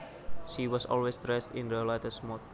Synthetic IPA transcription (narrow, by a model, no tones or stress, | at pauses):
ʃiwɔsɔ̰lwesdɾɛstɪ̰̃nɾəlatəsmɔt̪̚